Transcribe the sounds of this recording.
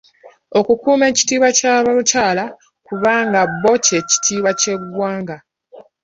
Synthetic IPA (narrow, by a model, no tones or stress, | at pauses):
o̞kukuːme̞ci̥tiːβwacaːβacaːla | kuβaːŋɡabːo̞ce̞ci̥tʰiːβace̞ɡwaːŋɡa